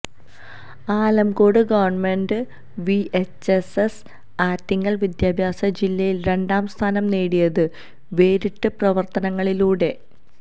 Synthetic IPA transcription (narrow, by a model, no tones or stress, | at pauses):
aːlɐmko̞ːɽɨɡɐʋɐrnme̞nɖɨ | ʋiet͡ɕːeses | aːt̪ːiŋːɐɭʋid̪jaːbʱjaːsɐd͡ʑilːɐjilɾe̞ɳɖaːmst̪ʰaːnɐmneːɽijɐðɨ | ʋe̞ːɾiʈːɨprɐʋɐrt̪ɐnɐŋːɐɭiluːɽe̞